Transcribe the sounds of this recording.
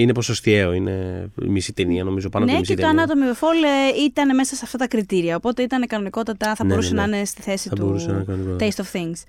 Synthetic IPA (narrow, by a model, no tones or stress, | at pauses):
ineposost̪eoinḛmisit̪eniɐno̞mizo̞pɐnnemscet̪oɐnɐt̪o̞miefoleit̪ɐne̞me̞sɐseɐft̪ɐt̪ɐkɾit̪iɾiɐopo̞t̪e̞it̪ɐnekɐno̞niko̞t̪ɐt̪ɐθɐbo̞ɾusenɐɐne̞st̪iθe̞sitɐuboɾusenɐkɐnonikot̪ejst̪ofθiŋɡs